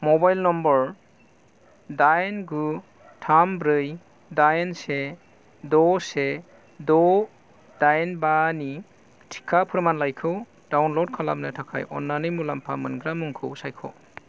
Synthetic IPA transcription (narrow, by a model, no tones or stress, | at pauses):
mɔbajlnɔmbɔɾ | dajnɡu | tʰambɾɯj | dajnse | dɔse | dɔ | d̥ajnbani | tʰi̥kʰːapʰɯɾmanlajkʰɯw | d̥awnlod̚kʰala̰mnɯtʰakʰa̰jʔɔ̰nːanɯjmulampʰamɯnɡɾamuŋkʰɯwsajkʰɔ̰